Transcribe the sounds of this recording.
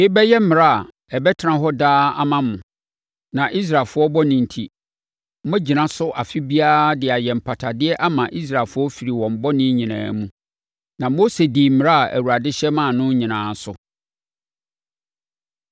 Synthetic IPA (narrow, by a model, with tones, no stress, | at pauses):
ɪ˦bɛ˦jɛ˦m̩˦mɪ̃˨ɾa˦a˨ | ɛ˨bɛ˦tʰã˦ɦɔ˦daː˦a̰˦mã˦mʊ̃˨ | nã˨ʔi˦s̬ɾa˨lfʊ˦ɔ˦bɔ˦nɪ̃˨n̩˨tʰi˨˦ | mɛ̃˦d͡ʑi˨nã˦sʊ˦ʔa˨fi˦bi˦aː˦dɪ˨a˨jɛ˨m̩˨pʰa˨tʰa˨dɪ˦ɛ˦ʔa˦mã˨ʔi˦s̬ɾa˨lfʊ˦ɔ˦fi˨ɾi˨wɔ̃˨m˨bɔ˦nɪ̃˦ɲĩ˨nã̰ː˨mũ˦ | nã˨mo˦se˨diː˨m̩˦m̃˨ɾa˦˨æ̰˨wu˨ɾa˨dɪ˦ɕɛ˦mã˦˨nʊ̃˦ɲĩ˨nãː˨˦sʊ˨